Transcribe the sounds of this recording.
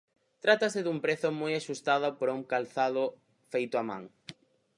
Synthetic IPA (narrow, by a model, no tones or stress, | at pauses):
t̪ɾat̪asɪðuŋpɾeθʊmɔjaʃust̪aðopoɾauŋkalθaðʊ | fejt̪ʊamã̰ŋ